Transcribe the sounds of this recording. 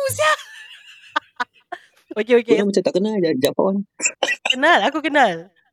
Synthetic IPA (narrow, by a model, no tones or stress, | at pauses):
usia | ok̬eokekunamat͡ʃamt̪aʔkənald͡ʒad͡ʒapa̰wankənalakukənal